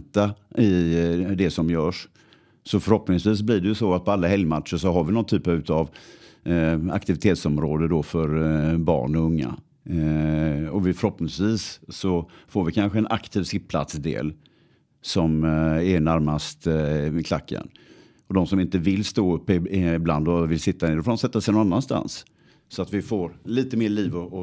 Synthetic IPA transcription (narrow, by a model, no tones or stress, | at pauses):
t̪aɪd̪ɛsɔmjœːʂ | sɔfœɾhɔpnɪŋsviːs̬bliɖɛjɵsɔat̪̚pʰɔalːaɦɛljmat̪ʂəʂɔɦaɾvɪnɔnt̪ʰyːpaʉ̟ːt̪av | a̰kt̪ɪvɪt̪ʰeːt̪sɔmɾoːd̪əd̪ofœɾbɑ̰ːɳɔɵŋːa̰ | ɔvɪfœɾhɔpnɪ̃ŋsviːsːɔfoːɾvɪkʰanɧəɛnʔa̰kt̪ʰiːvsɪppʰla̰t̪sd̪ḛːl | sɔmɛɳaɾmast̪kʰla̰kːə̰n | ɔd̪ɔmsɔmɪnt̪əvɪlːst̪oːɵpːɪbland̪ɔvɪlsɪt̪ːahneːɾdɔfoːdɔmsɛt̪ːasɛjnɔnanːanst̪a̰ns | sɔat̪vɪfoːɾliːt̪əmeːɭiːvɔɔ